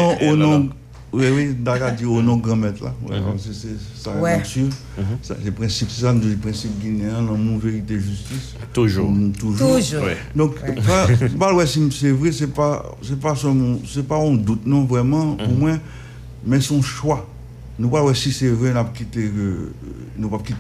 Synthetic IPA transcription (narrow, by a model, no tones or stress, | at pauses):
ɔ̃ʔonɔ̃ | wɛwin̩d̪akad͡zionɔ̃ɡʁãmɛt̪la̰wɛ̰a̰səsɛsasiv | sa̰sɛpʁɛ̃sipsɛsanud̪ipʁɛ̃sip̚ɡineãlãmõveʁit̪eʒyst̪is | tuʒut̪uʒuɛ | d̪ɔ̃kpãpalwɛsimsɛvʁɛsɛpa̰ | sɛpasœlmɔ̃sɛpaɔ̃d̪ut̪nɔ̃vʁɛmɑ̃omwɛ̃ | mɛ̃sɔ̃ʃwa | nũpalwɛsisɛvʁɛnap̚kit̪ekø | nũpap̚kit̪